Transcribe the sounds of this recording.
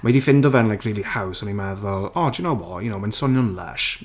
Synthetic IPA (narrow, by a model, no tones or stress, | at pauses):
madifɪndɔvɛnlajkʰriːlˠihawsɔnimɛðɔlˠɔdənowbɔjʊnowmansɔnjɔnlɛ̰ʃ